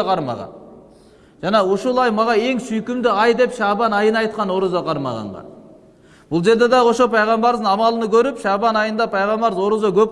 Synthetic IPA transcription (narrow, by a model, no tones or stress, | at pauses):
qʰɑɾmɑ̰ʁɑ̰ | ʒ̥ɑnɑwoʃolˠɑjmɑʁɑe̞ŋʃʏjkʲɪmd̪ɪɑjd̪e̞pʃɑbɑnɑjənɑjt̪̚qɑno̞ɾəzɑqʰɑɾmɑ̰ʁɑ̰ɴʁɑ̰ | b̥ʊlˠʒe̞ɾd̪ed̪ɑwo̞ʃopʰɑjʁɑmbɑɾzənɑmɑlˠənəkʲʰɵɾɪpʃɑbɑnɑjənd̪ɑpʰɑjʁɑmbɑɾzwo̞ɾəzɑkʲʰɵp̚